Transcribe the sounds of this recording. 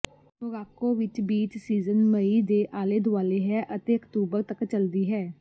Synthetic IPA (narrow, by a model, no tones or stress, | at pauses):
ɦʊɡaːkõːʋɪt͡ʃbiːt͡ʃsiːzənməiːd̪eːʔaːleːd̪ʱʊaːleːɦɛːʔət̪eːəkt̪uːbəɾt̪əkt͡ʃəld̪iːɦɛː